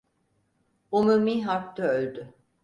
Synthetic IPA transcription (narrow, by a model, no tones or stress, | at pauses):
omumiːɦaɾt̪aølʲd̪y